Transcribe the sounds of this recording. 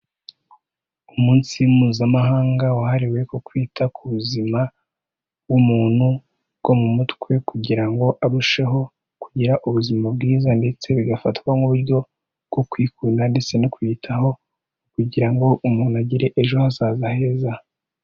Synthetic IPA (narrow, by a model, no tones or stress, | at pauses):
umuːnsiumuːzamaɦaːŋɡawahaɾiwe̞kokwiːtʰakuβuzima | wumuːn̥hu | ɡ̥o̞mumutkwe̞kuɟiɾaŋɡo̞ʔaβuʃe̞ɦo̞ | kuɟiɾaʔuβuzimab̚ɡiːzande̞t͡se̞βiɡafatkwaŋuβuɾjo̞ | ɡ̥o̞kwiːkunande̞t͡se̞nikwitʰaho̞ | kuɟiɾaŋɡo̞ʔumuːnuaɟiɾe̞ʔeʒo̞hasaːzahe̞ːza